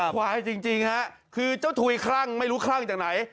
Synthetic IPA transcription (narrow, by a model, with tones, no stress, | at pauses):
kʰwaː˧˩t͡ɕi˧ŋt͡ɕi˧ŋha˦˥ʔ | kʰɯː˧t͡ɕa˥˩wt̪ʰuː˧jkʰɾa˥˩ŋma˥˩jɾuː˦˥kʰla˥˩ŋt͡ɕaː˨˩k̚na˩˦j